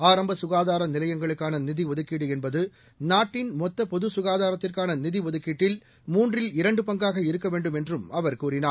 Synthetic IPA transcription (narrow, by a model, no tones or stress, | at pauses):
aːɾɐmbɐsʊɣaːðaːɾɐnɪlɐjɐŋɡɐɭɯkːaːnɐnɪðiʋɔðɯkːiːɽɯɛnbɐðɯ | naːʈːɪnmɔt̪ːɐpɔðɯsʊɣaːðaːɾɐt̪ːɪrkaːnɐnɪðiʋɔðɯkːiːʈːɪl | muːndrɪlɪɾɐɳɖɯpɐŋɡaːɣɐɪɾɯkːɐʋeːɳɖɯmɛndrɯmɐʋɐɾkuːrɪnaː